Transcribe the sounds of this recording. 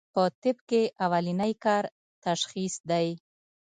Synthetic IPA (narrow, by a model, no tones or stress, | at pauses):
pət̪ɪbkeʔawalinajkɑɾ | t̪aʃxisd̪aj